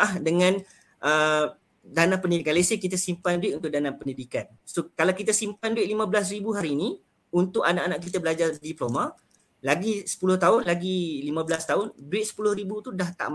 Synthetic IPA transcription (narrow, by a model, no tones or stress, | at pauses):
ahdəŋãn | ʔə | danapəndidikanlesekit̪asimpanduɪt̪unt̪ʊʔ̚danapəndidikan | sokalawkit̪asimpanduɪt̪̚limãbəlas̬ribuɦaɾiːni | unt̪ʊʔanaʔanaʔkit̪abəlad͡ʒardiplomã | laɡisə̥pulʊht̪aʊnlaɡilimãbəlast̪aʊnduɪt̪̚sə̥pulʊhɾibut̪udaht̪a̰ʔm